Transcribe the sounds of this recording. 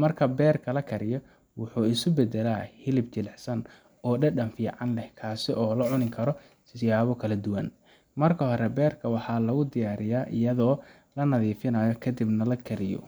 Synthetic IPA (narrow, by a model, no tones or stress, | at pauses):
mɐrkʰɐbɛːrkʰɐlɐkʰɐɾɪjɔ | wʊħuːɪsʊbɛd̪ɛlaːhɪlɪb̚t͡ʃɪlɛħsɐn | ɔːɖɐɖɐnfiːʕɑnlɛhkʰaːsɪʔɔːlɐʕʊnɪŋkʰɐɾɔ | sɪjaːβɔkʰɐlɐd̪ʊwɐn | mɐrkʰɐɦɔɾɛbɛːrkʰɐwɑħɑːlɐɣʊd̪ɪjaːɾɪjaːʔɪ̰jɐðɔː | lɐnɐðiːfɪnɐːjɔkʰɐd̪ibnɐlɐkʰɐɾɪjɔ̰